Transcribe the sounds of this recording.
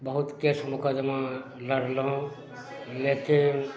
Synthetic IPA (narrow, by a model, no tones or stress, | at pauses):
bəɦut̪kesmukad͡ʒəma | ləɽlɦõ | lekin